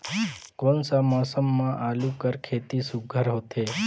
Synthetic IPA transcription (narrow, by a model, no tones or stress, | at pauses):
konsamɔːsəmːãʔaːlũkəɾkʰeːt̪isuɡʱəɾɦot̪ʰe